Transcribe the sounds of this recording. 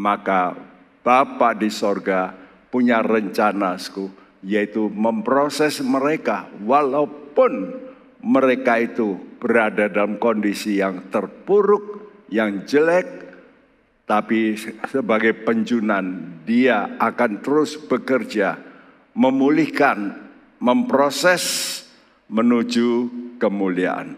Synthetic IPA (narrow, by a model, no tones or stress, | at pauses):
maka | b̥apaʔdisorɡa | puɲarəɲt͡ʃanasku | jait̪uməmpɾosɛsməɾekawalaupʊn | məɾekait̪ub̥əɾadadalamkɔndisijaŋt̪ərpuɾʊk̚jaŋd͡ʒəlɛk̚ | t̪apisəbaɡajpəɲt͡ʃunandiaakant̪əɾʊsb̥əkərd͡ʒa | məmulɪhkan | məmpɾosɛs | mənud͡ʒukəmulia̰ʔa̰n